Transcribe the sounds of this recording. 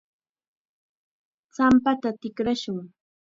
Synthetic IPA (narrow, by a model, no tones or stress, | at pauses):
t͡sampat̪at̪ɪkɾaʃʊŋ